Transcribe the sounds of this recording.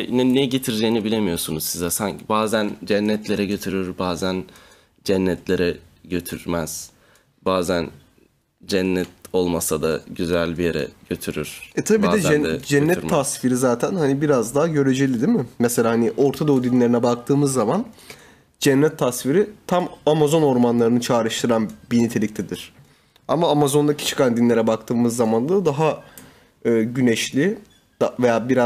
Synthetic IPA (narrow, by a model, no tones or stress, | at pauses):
jinɛnɛɟet̪ʰiɾd͡ʒejinibilʲemijo̞sunuzsizɛsaɲcʰibaːzænd͡ʒænːɛt̪ʰlʲe̞ɾɛɟø̞t̪ʰyɾyɾbaːzæn | d͡ʒænːɛt̪ʰlʲe̞ɾɛɟø̞t̪ʰyɾmæz̥ | b̥aːzæn | d͡ʒænːɛt̪o̞lˠmasad̪aɟyzælʲbijeɾɛ̰ɟ̥øt̪ʰyɾyɾ̥ɛt̪ʰabiiːd̪ɛɛdɛd͡ʒɛnːɛasfiɾizaːt̪ʰænhanibiɾazd̪aɦaɟø̞ɾed͡ʒelʲid̪imɪmɛselʲaːhaniʔo̞ɾt̪ʰad̪od̪inlʲe̞ɾinɛbak̚t̪ʰɯːmɯzːaman | d͡ʒɛnːɛt̪ʰːasfiɾit̪ʰamamazo̞no̞ɾmanlˠaɾɯnɯt͡ʃʰaːɾɯʃt̪ʰɯɾanbinit̪ʰe̞lʲic̚t̪ʰɛd̪iɾ̥ | a̰maːmazo̞nd̪acʰi̥t͡ʃʰɯ̥kʰand̪inlʲe̞ɾɛbak̚t̪ʰɯːmɯzːamand̪ˠad̪aɦa | ɯːɟynɛʃlʲi | d̪̥avejaːbiɾa